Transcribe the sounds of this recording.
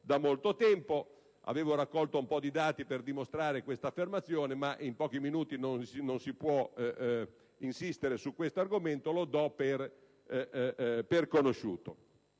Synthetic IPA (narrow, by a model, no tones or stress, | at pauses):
d̪amolt̪ot̪ɛmpo | a̰veːvoɾakːɔlt̪oumpɔd̪id̪aːt̪iperd̪imost̪ɾaːɾekwest̪afːermat̪sːjoːnemaʔimpɔːk̟iminuːt̪inonsinonsipwɔ | insist̪eɾesukːwest̪oarɡoment̪olod̪ɔper | perkonoʃṵːt̪o